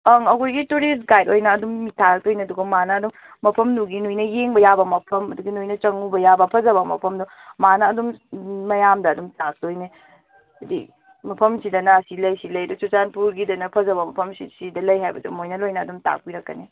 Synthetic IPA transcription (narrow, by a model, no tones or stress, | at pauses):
ɐŋɐɡojɡituɾis̬ɡajdojnɐːdumːitʰaɾk̚tojneɐduɡɐmanɐːdumː | ɐpʰɐmduɡinujnɐjeŋbɐjabɐmɐpʰɐmɐduɡinujnɐt͡ʃɐŋubɐjabɐpʰɐzɐbɐmɐ̰pʰɐmdu | manɐːdummɐjamdɐːdumtak̚tojne | ɐdḭ | mɐpʰɐmsidɐnɐɐsilɐjsilɐjɐdusut͡ʃanpuɾɡidɐnɐpʰɐzɐbɐmɐpʰɐmsisidɐlɐjɦajbɐdṵmojnɐlojnɐːdumta̰k̚piɾɐkːɐ̰ne